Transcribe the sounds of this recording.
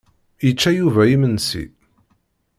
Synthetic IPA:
jit͡ʃːæjuvæimənsḭ

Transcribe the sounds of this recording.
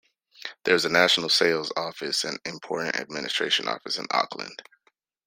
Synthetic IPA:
ðə˞ɨzɨnæʃn̩l̩ˠseɪlˠzɔfɨsɨ̃nɨ̃mpʰɔɹʔn̩tɨ̰d̚mɪnɨstɹ̥eɪʃɨ̃nɔ̰fɨsɨ̰̃nɑ̰klɨ̰̃nd̥

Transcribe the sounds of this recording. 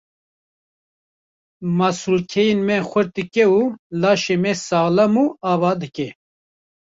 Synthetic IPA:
masulkʰɛjenmɛxʷɨɾt̪ɨkɛulɑːʃemɛsɑːɣlamuːɑːvɑːd̪ɨkɛ

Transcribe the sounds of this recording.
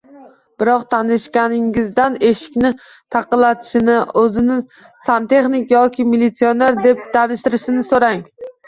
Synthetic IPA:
b̥ɪɾɒq̚t̪ʰanɪʃkʲanɪŋɪzd̪ane̞ʃɪ̥kʲnɪ | t̪ʰɑqɨlːat̪ʰɪ̥ʃɪnɪɵzɪnɪ | sant̪ʰe̞χnɪkʲjɒkʲɪmilːɪt̪sijoneɾd̪e̞p̚t̪ʰanɪʃt̪ɪɾɪʃɪnɪsoɾaŋ

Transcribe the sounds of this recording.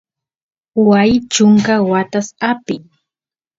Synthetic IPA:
wajt͡ʃʊŋkawat̪asapɪ

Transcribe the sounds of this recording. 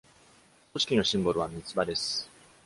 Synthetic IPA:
oɕi̥kʲino̞ɕĩmboɾɯ̟βamʲit͡sɨbad̪e̞sɨ̥

